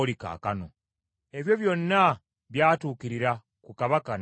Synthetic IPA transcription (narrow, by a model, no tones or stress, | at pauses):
lika̰ːkano | e̞βjo̞βjo̞nːa | βjaːtuːkiɾiɾa | kukaβakan